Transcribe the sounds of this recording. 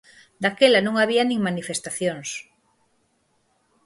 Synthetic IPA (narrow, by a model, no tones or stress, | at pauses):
d̪akelanõŋaβ̞ianĩŋmanifest̪aθjoŋs